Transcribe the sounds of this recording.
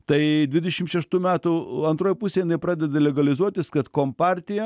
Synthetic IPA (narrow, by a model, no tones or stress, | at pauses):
t̪ɐɪd̪ʲʋʲɪd̪ʲɛʃʲɪmʃʲɛʃt̪uːmʲæːt̪ʊɐnt̪ɾoːjpusʲeːjɪnɐɪpɾɑːd̪ʲɛd̪ɐlʲɛɡɐlʲɪzuɔt̪ʲɪskɐt̪koːmpɑɾʲt̪ʲɪjɛ